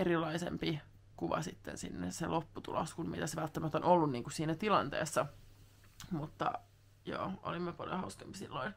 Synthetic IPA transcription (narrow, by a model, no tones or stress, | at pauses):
eɾilːˑɑisḛmpi | kuʋɑ̰sit̪ːḛnsḭnːḛselʔopːut̪ṵlo̰skunmit̪æsʋælt̪ːæmæt̪ːonolːunniːŋkussiːnæt̪ilɑnt̪ḛːsːɑ | mut̪ːɑ̰ | jo̰ːʔo̰limːepɑljo̰hɑuskempisḭlːoin